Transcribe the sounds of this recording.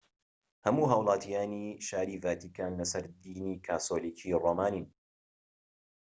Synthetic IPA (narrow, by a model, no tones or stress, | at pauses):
hɐmuːɦaːwlˠɑːt̪ʰijaːniʃaːɾiːvaːt̪ikʰaːnlɐsɐɾd̪iːniːkʰaːsoːliːkʰiːroːmaːnin